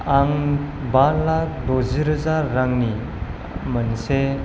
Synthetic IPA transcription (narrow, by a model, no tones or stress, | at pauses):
aŋ | banlak̚doziɾəzaɾːaŋni | mənse